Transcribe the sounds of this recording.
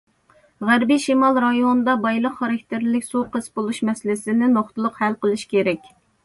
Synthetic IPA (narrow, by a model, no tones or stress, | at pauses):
ʁæɾbiʃimɑlˠɾɑjond̪ɑbɑjlˠəqχːɑɾɑk̚ʲt̪ʰɪɾlɪkʲsuqəsbolˠuʃmɛsɪlɪsɪnɪnoχt̪ɨlˠʊqhælqəlˠɨʃkʲʰeɾɛkʲ